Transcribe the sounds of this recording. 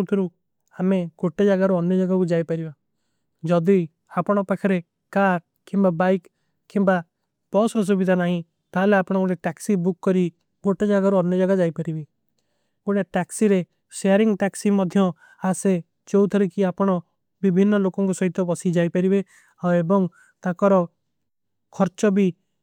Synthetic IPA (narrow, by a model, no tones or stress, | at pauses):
t̪ʰɔɾu | ameɡ̥oʈed͡ʒaɡaɾuɔnjɔd͡ʒaɡakud͡ʒajpaɾiba | d͡ʒɔd̪i | apɔɽ̃ɔpakʰaɾe | kaɾʈ̚ | kimbabajk | kːimba | b̥ɔsɔs̬ubid̪ʱanaɦĩ | t̪aleapɔɽ̃ɔkuɽ̃eʈɛksibukːɔɾi | ɡoʈed͡ʒaɡaɾuɔnjɔd͡ʒaɡad͡ʒajpaɾibi | kuɽ̃eʈɛksiɾe | ʃeaɾiŋʈɛksimɔd̪ʱjɔ | ase | t͡ʃowt̪ʰɔɾikiapɔɽ̃ɔ | bibʱinːɔlokɔŋkusɔɦit̪ɔbɔsid͡ʒajpaɾibe | aebɔŋ | t̪akɔɾɔ | kʰɔɾt͡ʃɔbi